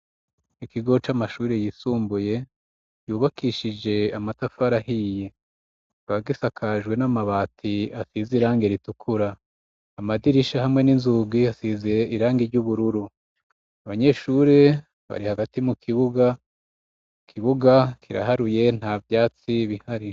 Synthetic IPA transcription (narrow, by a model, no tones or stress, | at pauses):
ikiɡo̞t͡ʃamaʃuːɾe̞jiːsuːmbuje̞ | juːβakiʃid͡ʒe̞amatafaɾahije | βaɡisakʰaʒɡwe̞namaβatʰiasiziɾaːŋɡeɾitukʰuɾaː | madiɾiʃahamŋe̞ninzuɡiasizeʔiɾaːŋɡiɾɟuβuɾuɾu | aβaɲe̞ʃuːɾe̞ | βa̰ɾihaɡatimukʰiβuɡa | kʰiβuɡakʰiɾa̰ɦaɾuje̞n̥haːvjaːt͡siβihaɾi